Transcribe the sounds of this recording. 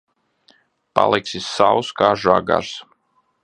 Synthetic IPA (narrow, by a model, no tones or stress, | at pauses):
pa̰lˠɛksisːawskaːʒaɡa̰ɾs